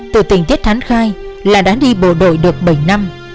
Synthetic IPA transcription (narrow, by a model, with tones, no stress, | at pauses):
t̪ɨ̰˧˩t̪ï˧˩ŋ̟t̪i˦˥ət̚t̪ʰa˨˦ŋxaː˧jlaː˨˩ɗaː˨˦ɗi˧ɓo̰˧˨ɗo̰˧˨jɗɨ˨˩ək̚ɓə˧˩jna˧m